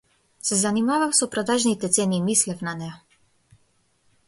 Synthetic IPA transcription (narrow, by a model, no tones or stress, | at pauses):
sɛzanimavafsɔpɾɔd̪aʒnit̪ɛt̪sɛnimislɛfnanɛja